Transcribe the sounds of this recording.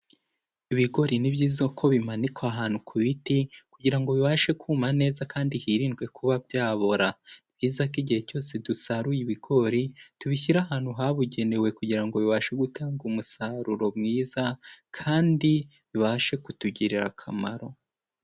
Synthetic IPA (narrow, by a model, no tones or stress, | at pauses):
iβiɡo̞ɾinibɟiːzakʰo̞βimanikwaɦaːn̥ukʰuβitikuɟiɾaŋɡo̞βiβaːʃe̞kʰuːmane̞ːzakaːndihiːɾiːnɡwe̞kʰuβabjaːβoɾanib̥jiːzak̬iɟihe̞co̞ːse̞dusaɾujiβiɡo̞ɾituβiçiɾahaːn̥huɦaβuɟe̞ne̞we̞kuɟiɾaŋɡo̞βiβaːʃe̞ɡutaːŋɡumusaɾuɾo̞mŋiːzakʰaːndi | βiβaʃe̞kutuɟiɾiɾa̰kʰama̰ɾo̞